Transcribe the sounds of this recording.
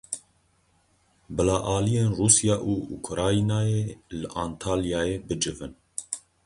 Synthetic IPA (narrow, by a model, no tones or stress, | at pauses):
bɨlɑːʔɑːlijeːnruːsijɑːʔuːṵkʰɾɑːinɑːjeːlɨʔɑːnt̪ʰaːljɑːjeːbɨd͡ʒɨvɨn